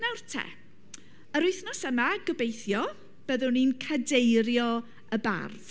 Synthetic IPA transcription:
nawrtʰɛ̰ | əɾʊɨθnɔsəmaɡəbejθjɔ | b̥əðʊninkʰadejɾjɔ | əba̰rð̥

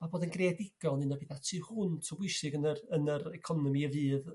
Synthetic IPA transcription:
maboːdənɡredɪɡ̥ɔnɨnɔbeːðatʰiːhʊntʰɔbwɪsɪɡənərənəɾɛkʰɔnɔmiəvɨːð

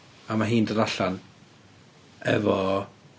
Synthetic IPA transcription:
amaɦiːndəɾaɬan | ɛ̰vɔ

